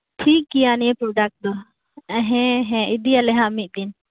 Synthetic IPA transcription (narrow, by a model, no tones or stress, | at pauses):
ʈʰikːijaniɛpɾoɖak̚ʈ̚d̪ɔ | ɛɦɛ̃ɦɛ̃id̪ijalɛɦãɐmit̪̚ˀd̪in